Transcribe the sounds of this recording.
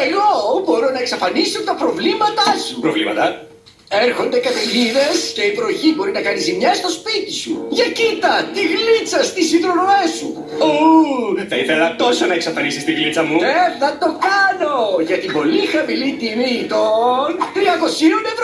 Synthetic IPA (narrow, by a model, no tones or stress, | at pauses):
e̞ɣobo̞ɾonɐe̞ksɐfɐnisiopot̪ɐpɾo̞vlimɐt̪ɐsupɾovlḭmɐ̰t̪ɐ | e̞ɾxo̞nd̪e̞kɐt̪eʝiðe̞sce̞ipɾooçibo̞ɾinɐkɐnizimɲɐst̪o̞spit̪i̥sṵʝɐcit̪ɐt̪iɣlit͡sɐst̪isiðɾonoesṵ | o | θɐiθelɐt̪o̞so̞nɐeksɐfɐnisist̪iɣlit͡sɐmuðeθɐt̪o̞kɐno̞ʝɐt̪ibo̞lixɐmilit̪init̪ont̪ɾiɐko̞sinunevɾ